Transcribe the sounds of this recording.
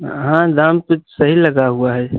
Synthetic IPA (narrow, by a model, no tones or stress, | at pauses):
ɦãd̪ãːmt̪osəɦilɐɡaɦuaɦɛː